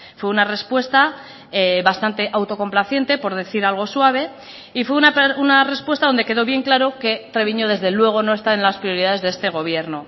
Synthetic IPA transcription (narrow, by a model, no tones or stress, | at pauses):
fwe̞unare̞spwe̞st̪a | eβast̪ant̪e̞ʔawt̪o̞ko̞mplaθje̞nt̪e̞po̞ɾð̞e̞θiɾalɣ̞o̞swaβ̞e̞ | ifwe̞unaunare̞spwest̪aðo̞nd̪e̞ke̞ðo̞βje̞ŋklaɾo̞ke̞t̪ɾe̞β̞iɲo̞ðe̞zðe̞lwe̞ɣ̞o̞no̞e̞st̪ae̞nlaspɾio̞ɾiðaðe̞zðeest̪e̞ɣ̞o̞β̞je̞ɾno̞